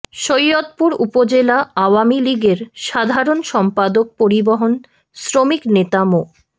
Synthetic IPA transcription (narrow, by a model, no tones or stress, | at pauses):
ʃojːot̪̚puɾupod͡ʑelaaoamiliɡeɾʃad̪ʱaɾonʃɔmpad̪ok̚poɾiboɦon | sɾomiknet̪amo